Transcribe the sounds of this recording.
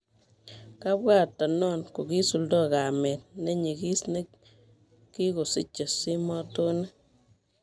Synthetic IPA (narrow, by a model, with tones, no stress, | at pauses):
ka˦bwa˦˨tːɔ˨nɔ˦˨nko˨ki˦su˨ldɔ˦ka˨me˨t̚ne˦ɲi˨ki˦sne˦ | ki˦ko˨sḭ˦t͡ʃːe˨si˦mɔ˦to˦ne˦